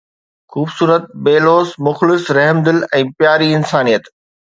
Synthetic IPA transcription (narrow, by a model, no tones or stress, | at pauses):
xuːbsuːɾət̪̚beːloːsmʊxlɪsɾɛɦmd̪ɪlɛ̃ːpjaːɾiɪnsaːnijət̪